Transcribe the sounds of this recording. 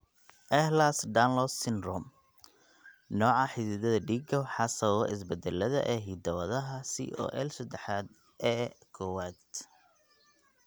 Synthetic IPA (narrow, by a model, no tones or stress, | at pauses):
ʔɛhlasdanlɔsɪnrɔm | nɔːʕɑħɪsiðɐðɐɖiɡɔħɑsɐwɔʔɪs̬bɛd̪ɛlɐðɐ̰ʔɛːɦiːd̪ɐwɐðɐɦɐsḭːʔɔ̰ːʔɛlsɐd̪ɛħaːd̪̚ | ʔɛːkʰɔwaːd̪